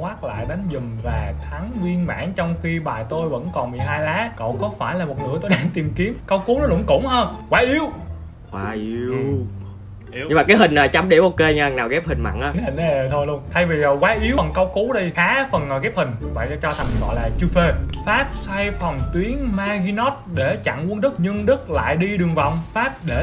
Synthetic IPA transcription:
waː˦˥k̚la̰ː˧˨jɗə˨˦jnzʊ˨˩ŋvaː˨˩t̪ʰaː˨˦ŋzi˧ənma̰ː˧˥nt͡ɕwŋ͡mxi˧ɓaː˨˩jt̪o˧jvə̰˧˥nkɔ˨˩nmi˨˩ɦaː˧jlaː˨˦kə̰˧˨wkɔ˨˦faː˧˩jlaː˨˩mo˨˩t̚nɨ̰˧˥ət̪o˧jɗaː˧ŋt̪i˨˩mki˨˦əmkə˧wku˨˦nɔ˨˦lʊ̰˧˥ŋ͡mkʊ̰˧˩ŋ͡mhəː˧nkwaː˨˦ʔi˨˦əw | kwaː˨˦ʔi˨˦w | ɲɲɨ˧maː˨kaː˨˦jhï˨˩ŋ̟aː˨˩t͡ɕa˨˦mɗe˧˩ʔo˧˩ke˧ɲaː˧˨˩naː˨˩wɣɛ˦˥p̚hï˨˩ŋ̟ma̰˧˨nʔaː˨˦˨nhi˨˩ŋ˧˨˩t̪ʰo˧jlu˧əŋt̪ʰa˧jvi˨˩o˨˩jkwaː˨˦ʔi˨˦əwə˨˩nkə˧wku˨˦ɗi˧xaː˨˦fə˨˩nəː˨˩ɣɛ˦˥p̚hï˨˩ŋ̟̚˧ɓa̰ː˧˨jt͡ɕɔ˧t̪ʰa˨˩jŋ˨˩ŋɣɔ̰˧˨jlaː˨˩t͡ɕɨ˧fe˧faː˦˥t̚sa˧jfə˨˩ŋ͡mt̪wi˨˦ənmaː˧ɣi˧nɔ˦˥t̚ɗe˧˩t͡ɕa̰˧˨ŋʔu˧ənɗɨ˦˥k̚ɲɨ˧ŋɗɨ˦˥k̚la̰ː˧˨jɗi˧ɗɨ˨˩əŋvɔ̰˧˨wŋ͡mfaː˦˥p̚ɗe˧˩

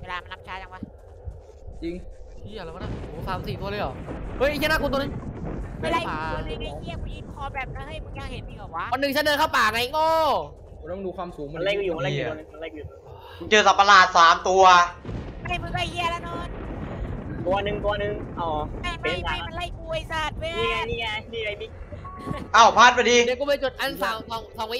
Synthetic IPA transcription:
weː˧˩laː˧ma˧nla˦˥p̚t͡ɕʰaː˦˥jt͡ɕa˧ŋwa˧˥˩ | t͡ɕi˧ŋt̪ʰi˧˥˩a˨la˨˦˥ma˧˥na˧˩oː˨˦saː˨˦msiː˨˩u˧lɤː˧˦ʔɔː˨˩kʔɤ˦˥˨jʰi˧˥˧na˧˥˩knt̪̬ːni˦˥˧ | la˧˨aː˧˨˧a˧˩hi˧˩ɐkɔ˧˩ji˧˦n˧kʰɔː˧˦bɛː˨˩p̚na˧˩ha˧˩jmɯ˧˦jaː˧˩ŋhe˨˦nbiː˧˩ʔɔː˨˩k̚wa˦˧˥wa˧nːɯ˨˩ŋt͡ɕa˧˥dɤː˧nkʰa˥˩wpaː˨˩˨ŋa˧˨˧ʔoː˧˥˩ | ɾɔː˥˩ŋduː˧kʰwaː˧msuː˩˦ŋma˧la˧˩jkɔ˧juː˨˩wa˧la˧˨˧nɯ˧˩˧la˧˩ku˧˨uː˨˩˧ | nt͡ɕɤː˧sa˨˩pːa˧laː˨˩t̪̚saː˩˦mt̪u˧ɐma˧a˨jmɯ˧˦kaː˧˩jji˧˩ɐ˨la˧˦˥nɔː˧˥˩n | t̪u˧ɐ˧nɯ˨˩ŋt̪u˧ɐ˧nɯ˧ŋʔa˧˩wma˧˩jm˧˩aa˨˦˧jma˧nla˧˥˩jku˧˩a˨˩jsaː˨˩t̪̚wɯ˧˥niː˧a˧niː˧˩a˧niː˧˩ka˧˩mi˦˧˩ | ʔa˧˩wpʰaː˥˩t̪̚pa˧jdiː˧deː˧˦ku˧˥ma˧jt͡ɕo˨˩t̪̚ʔa˧nsaː˨˦ŋsɔː˨˦ŋsɔː˨˦ŋwi˦

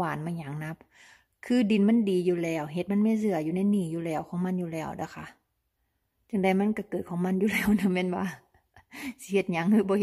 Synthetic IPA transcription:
aː˨˩nmaː˧˨ɲa˨˦ŋna˧˥p̚ | kʰɯː˧˨di˨˩nma˧˥˨ndiː˨˦juː˧˦lɛː˧˩wɦe˧t̪̚ma˧˥nmaː˧˥˨sɯ˧˩ɐjuː˧˨na˧˥˨jniː˧˩juː˧lɛː˧˩wkʰɔː˧˦ŋma˧˥˨njuː˧˨lɛː˧˩˨wda˧˩kʰa˧˥˨ | t͡ɕa˧˩ŋda˧˩jma˧˥˨nka˧˩kɤː˨˩t̪̚kʰɔː˧˦ŋma˧˥˨njuː˧˨lɛː˧˩˨wnɯ˧˩mɛː˧˥˨nwaː˧˨ | si˧he˧˩t̪̚ɲa˧˦ŋhɯː˧˦bɔː˧˦˧

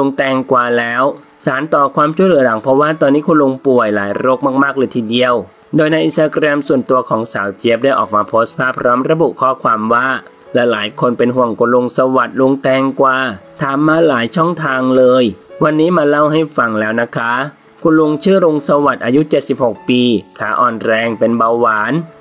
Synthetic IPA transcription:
lo˧ŋt̪ɛː˧ŋkwaː˨˩lɛː˦˥w | saː˩˦nt̪ɔː˨˩kʰwaː˧mt͡ɕʰu˥˩jlɯ˩˦la˩˦ŋpʰɾɔ˦˥waː˥˩t̪ɔː˧nːiː˦˥kʰu˧nlo˧ŋpu˨˩əjlaː˩˦jɾoː˦˥˩k̚maː˥˩k̚maː˥˩k̚lɤː˧jt̪ʰiː˨˩di˧əw | doː˧jna˧jʔi˧nst̪aː˧kɾɛ˧msu˨˩ənt̪u˧ɐkʰɔː˩˦ŋsaː˩˦wt͡ɕe˦˥˩p̚daː˥˩jʔɔ̰ː˨˩k̚maː˧pʰoː˦˥st̪̚pʰaː˥˩pʰɾɔː˦˥mɾa˧bu˨˩ʔkʰɔː˥˩kʰwaː˧mwaː˥˩ | lɛ˧˩laː˩˦jkʰo˧npe˧nɦu˨˩əŋkʰu˧nlo˧ŋsa˧wa˨˩t̪̚lo˧ŋt̪ɛː˧ŋkwaː˧t̪ʰaː˨˦mːaː˧laː˩˦jt͡ɕʰɔ˥˩ŋt̪ʰaː˧ŋlɤː˧jwa˧nːiː˦˥maː˧la˥˩wɦa˥˩jfa˧˩ŋlɛː˦˥wna˦˥kʰa˦˥ | kʰu˧nlo˧ŋt͡ɕʰɯː˥˩ɾo˧ŋsa˧wa˨˩t̪̚ʔaː˧ju˦˥t͡ɕe˨˩t̪̚si˨˩p̚ho˨˩k̚piː˧kʰaː˩˦ʔɔː˨˩nɾɛː˧ŋpe˧nba˧wwaː˩˦n

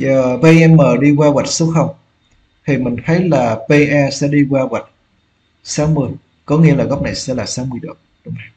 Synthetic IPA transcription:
zəː˨˩ve˧ʔɛ˧mːəː˨˩ɗi˧kwaː˧ɣwa˨˩t̚su˦˥t̚xə˧wŋ͡m | t̪ʰi˨˩mï˨˩ŋ̟t̪ʰə˨˦jlaː˨˩ve˧ʔaː˧sɛ̰˧˥ɗi˧kwaː˧ɣwa˨˩t̚ | saː˨˦wmɨ˨˩əj | kɔ˨˦ŋḭ˧˥əlaː˨˩ɣɔ˦˥wk͡p̚na˨˩jsɛ̰˧˥laː˨˩saː˨˦mɨ˨˩əjɗo˨˩ | ɗʊ˨˧˦ŋ͡ma˧˩j

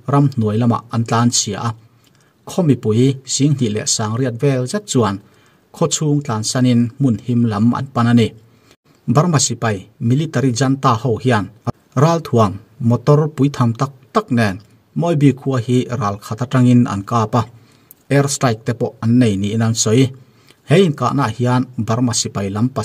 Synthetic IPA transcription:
ra˧mn̥u˨˩əjlɐ˧ma̰˨ʔɐ˧nt͡ɬaː˧˦nsi˨a̰˨ʔa˦ | kʰɔ˦mi˨pu˨˦jz̥i˨˦ŋn̥i˨ʔlɛ̰˨ʔsaː˨ŋri˥ət̬̚vɛ˧lzɛ˦t̪̚t͡su˨ɐ˨n | kʰɔ˦˧t͡sʰuː˧ŋt͡ɬaː˨nsa˧ni˧nmu˨nhi˧mlɐ˨˦mʔɐ̰˨npa˧na˧ni˨ | ba˦rma˨si˨pɐ˧˨jmi˨li˦t̪a˧ɾi˧za˧nt̪a˧ho˧whi˦a˧n | raː˧lt̪ʰu˨əŋmɔ˨t̪ɔ˧rpu˨˦jt̪ʰa˧˨mt̪a˦k̚t̪a˦k̚nɛ˨˩n | mɔ˧jbi˧˩kʰu˧ahi˦raː˨lkʰa˧t̪a˧tra˧ŋi˧nɐ̰˨nkaː˧pa˧ | ʔɛ˧rsta˧jk̚t̪ɛ˧pɔ˧˨ʔa˨nːe˨jni˨ʔi˦na˧˨nsɔ˨˦j | he˦ji˨nka̰˧ʔna˧˨ʔhi˧a˧nba˨˦rma˨si˨pa˨jla˨˦mpa˨

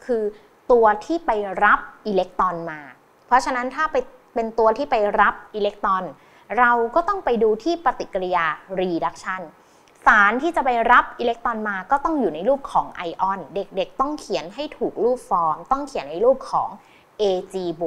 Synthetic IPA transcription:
kʰɯː˧ | t̪u˧ɐt̪ʰiː˥˩pa˧jɾa˦˥p̚ʔiː˧le˦˥k̚t̪ɔː˧nmaː˧ | pʰɾɔ˦˥t͡ɕʰa˧na˦˥nt̪ʰaː˥˩pa˧j | pe˧nt̪u˧ɐt̪ʰiː˥˩pa˧jɾa˦˥p̚ʔiː˧le˦˥k̚t̪ɔ˧n | ɾa˧wkɔː˥˩t̪ɔ˥˩ŋpa˧jduː˧t̪ʰiː˥˩pa˧t̪i˨˩kːa˧ɾi˧jaː˧ɾiː˧da˦˥k̚t͡ɕʰa˥˩n | saː˩˦nt̪ʰiː˥˩t͡ɕa˨˩pa˧jɾa˦˥p̚ʔi˧le˦˥k̚t̪ɔː˧nmaː˧kɔː˥˩t̪ɔ˥˩ŋjuː˨˩na˧jluː˥˩p̚kʰːɔː˩˦ŋʔa˧jʔɔ˧˩nde˨˩k̚de˨˩k̚t̪ɔ˥˩ŋkʰi˨˩˦nɦa˥˩jt̪ʰuː˨˩k̚luː˥˩p̚fɔː˦˥mt̪ɔ˥˩ŋkʰi˨˩˦ənːa˧jluː˥˩p̚kʰːɔː˩˦ŋ | ʔeː˧t͡ɕiː˧bu˨˩

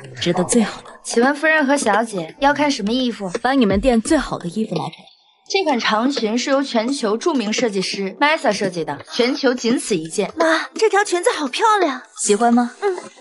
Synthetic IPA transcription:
ʈ͡ʂɻ̩˧˥d̪ə˧t͡swe˥˩ɪxɑ˨˩ʊd̪t͡ɕʰi˨˩wa˥nfu˥ɻə˥˩nxɤ˧˥ɕjɑ˧˥ʊt͡ɕjɛ˨˩˦jɑ˥˧ʊkʰa˥˩nʂə˧˥nmə˧i˥˩fu˨˩pɑ˧˥ni˨˩mə˦nt̪̬jɛ˥˧nt͡swe˥˩ɪxɑ˨˩ʊd̪ə˦i˥˧fu˨˩la̰˧˥ɪʈ͡ʂʰa˨˩˦ | ʈ͡ʂe˥˩ɪkʰa˨˩nʈ͡ʂʰɑ˧˥ŋt͡ɕʰy˧˥nʂɻ̩˥˩jo˧˥ʊt͡ɕʰɥɛ˧˥nt͡ɕʰjo˧˥ʊʈ͡ʂu˥˩mi˧˥ŋʂɤ˥˧t͡ɕi˥˩ʂɻ̩˥˩ma˥ɪsə˥˩ʂɤ˥˧t͡ɕi˥˩d̪ə˩t͡ɕʰɥɛ˧˥nt͡ɕʰjo˧˥ʊt͡ɕi˧˥nt͡sʰɹ̩˨˩i˧˥t͡ɕjɛ˥˩nma˥ʈ͡ʂɤ˥˩t̪ʰjɑ˧˥ʊt͡ɕʰy˧˥nt͡s̩˧xɑ˨˩ʊpʰjɑ˥˧ʊljɑ˥˩ŋɕi˧˥xwa˥nmɐ˧n̩˥˩

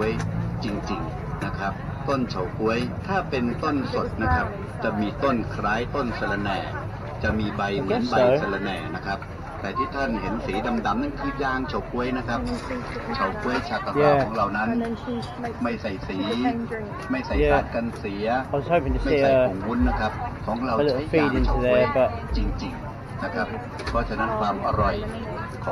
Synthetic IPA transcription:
u˧˥əjt͡ɕi˧ŋt͡ɕi˧ŋ | na˦˥kʰɾa˦˥p̚ | t̪o˥˩nt͡ɕʰa˨˩wku˧˥əjt̪ʰaː˥˩pe˧nt̪o˥˩nso˨˩t̪̚na˦˥kʰa˦˥p̚ | t͡ɕa˨˩miː˧t̪o˥˩nkʰɾaː˦˥jt̪o˥˩nsa˧la˧nɛː˨˩ | t͡ɕa˨˩miː˧ba˧jmɯ˩˦nba˧jsa˧la˧nɛː˨˩na˦˥kʰɾa˦˥p̚ | t̪ɛː˨˩t̪ʰiː˥˩t̪ʰa˥˩nhe˩˦nsiː˩˦da˧mda˧˩mna˥˩nkʰɯː˧jaː˧ŋt͡ɕʰa˨˦˩wku˧˥əjna˦˥kʰa˦˥p̚t͡ɕʰa˨˩wku˧˥əjt͡ɕʰa˧˩kːa˧˩jaː˧˦ɔː˨˩˦ŋɾa˧˩wna˦˥n | ma˥˩jsa˨˩jsiː˩˦ | ma˥˩jsa˨˩jɛː˧aː˩˦˩t̪̚ka˧nsi˨˩˦ɐʔɔ˧˩sʰɔː˥˩pʰe˨nt͡ɕa˥˩ma˥i˧˩sa˩˧˩ŋwu˦˥nːa˦˥kʰa˦˥p̚kʰɔː˩˦ŋɾa˧wlə˧˩˧fiː˧˩di˧n˧˩dɛː˧˩bɛ˧˩t͡ɕi˧ŋt͡ɕi˧ŋ | na˦˥˩kʰa˦˥p̚ | kʰɔː˧˩t͡ɕʰa˧na˦˥nkʰwaː˧mʔa̰˧ɾɔ˨˩j | kʰɔ˨˦

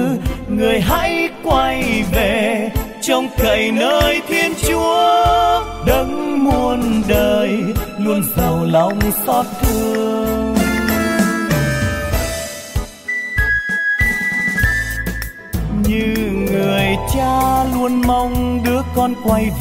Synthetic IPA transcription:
ŋɨ˨˩əjɦa̰˧˥jkwa˧jve˨˩t͡ɕɔ˧wŋ͡mk̪ə˨˩jnəː˧˦jt̪ʰi˧ənt͡ɕu˨˦ə | ɗə˨˦ŋmu˧ənɗəː˧jlu˧ənzə˨˩wlɔ˧wŋ͡msɔ˦˥t̚t̪ʰɨ˧əəəŋ | ɲɨ˧ŋɨ˨˩əjt͡ɕaː˧lu˧ənma˧wŋ͡mɗɨ˨˦˥əkɔ˧nkwa˧j

